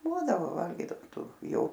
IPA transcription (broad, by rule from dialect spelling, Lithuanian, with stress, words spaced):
ˈbuːdɐʋoː ˈʋɐlʲɡʲiːdɐʋoːm ˈtuː ˈjoː